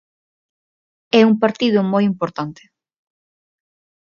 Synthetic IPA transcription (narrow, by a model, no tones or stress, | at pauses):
ɛuŋpaɾt̪iðʊmojimpoɾt̪ant̪ɪ̥